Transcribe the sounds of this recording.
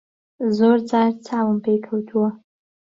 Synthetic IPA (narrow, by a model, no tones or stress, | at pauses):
zoɾd͡zɑɾt͡sʰɑːwəmpekʰawt̪ʰuwa